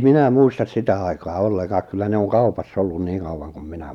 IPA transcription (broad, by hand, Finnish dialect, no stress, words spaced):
minæ muistɑs sitæ ɑikɑː olːekɑːk kylːæ ne on kɑupɑsː olːun niːŋ kɑuwɑŋ kum minæ